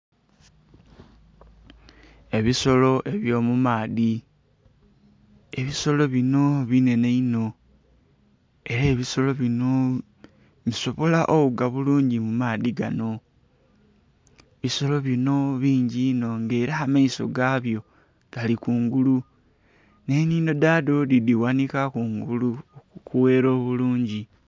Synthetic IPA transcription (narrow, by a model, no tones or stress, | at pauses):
e̞βiso̞lo̞ʔe̞βjo̞ːmumaːði | e̞βiso̞lo̞βino̞βine̞ne̞ino̞ | e̞ɾeːβiso̞lo̞βino | βiso̞βo̞laʔoβuɡaβuluːɲɟimumaːðiɡano̞ | βiso̞lo̞βino̞βiːɲɟino̞ŋɡe̞ːɾaamaiso̞̰ɡaːβjo̞ | ɡ̥alikuːŋɡulu | neniːno̞dado̞didiwanikakuŋɡulukuwe̞ːɾo̞ːβuluːɲɟi